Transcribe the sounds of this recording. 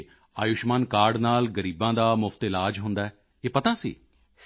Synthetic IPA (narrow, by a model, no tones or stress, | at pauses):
aːjʊʃmaːnkaːɾɖnaːlɡəɾiːbãːd̪aːmʊfʰt̪ɪlaːd͡ʒɦʊnd̪aːɛː | eːpət̪aːsḭː